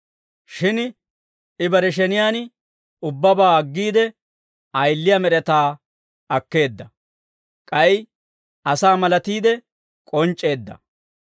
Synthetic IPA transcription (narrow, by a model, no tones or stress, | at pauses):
ʃɪn | ɪbɐɾɛʃ̬ɛnɪjaːn | ʊbːɐbaːɐɡːiːd̪ɛ | ɐjlːɪjɐmɛɾɛt̪aː | ɐkːe̞ːd̪ːɐ | kʼɐj | ɐsaːmɐlɐt̪iːd̪ɛ | kʼɔnt͡ʃʼːe̞ːd̪ːɐ̰